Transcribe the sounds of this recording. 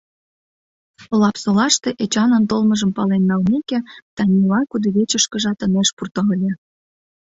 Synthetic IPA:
olɑpsolɑʃt̪eʔet͡ɕɑnənt̪olmə̆ʒə̆mpɑlenːɑlmekĕt̪ɑnʲilɑkud̪ə̆βʲet͡ɕə̆ʃkə̆ʒɑt̪ə̆neʃpurt̪ɑɤlʲe

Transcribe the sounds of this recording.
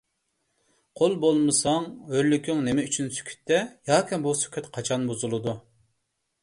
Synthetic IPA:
qʰolˠbolˠmɨsɑŋɦøɾlykʲʰyŋnemɛyt͡ʃʰynsy̥kʲʰy̥t̪ʰːɛjɑːkʲʰɛbusy̥kʲʰøt̪qʰɑt͡ʃʰɑnbozulˠɨd̪u

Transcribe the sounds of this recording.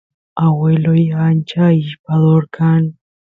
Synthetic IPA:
awelojant͡ʃaiʃpaðoɾkʰan

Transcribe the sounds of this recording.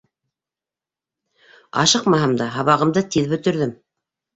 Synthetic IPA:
ɑ̰ʃɤqmɑɦɤmd̪ɑɦɑβɑʁɤ̆md̪ɤt̪iðbɵ̆t̪ɵ̆ɾðɘm

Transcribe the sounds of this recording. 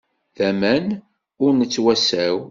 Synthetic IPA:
ðæmæn | ʊɾnət͡sːwæsæw

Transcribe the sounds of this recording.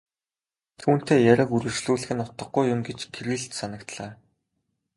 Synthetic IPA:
t̪ʰuːn̥t̪eːjæɾʲə̆kuɾɘ̆rt͡ɕɮuːɮɘ̆xɘ̆nʊt̪ə̆ɡɡujʊmɡet͡ɕɡeɾɘ̆ɮt̪sanə̆kt̪ɮaː

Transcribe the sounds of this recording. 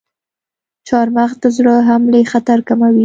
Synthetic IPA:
t͡ʃɑɾmaxd̪əzɽəɦamlexat̪aɾkamawi

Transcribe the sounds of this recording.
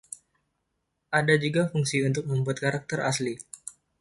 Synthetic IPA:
ʔadad͡ʒuɡafuŋsiunt̪ʊk̚məmbuat̪̚kaɾak̚t̪əɾasli

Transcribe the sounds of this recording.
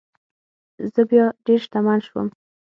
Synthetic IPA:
zəbjɑɖeɾʃt̪amanʃwə̰m

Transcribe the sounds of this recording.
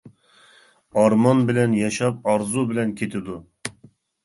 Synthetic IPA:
ɑɾmɑnbɪlɛnjɑʃɑp̚ɑɾzubɪlɛnkʲʰet̪ʰɪd̪u

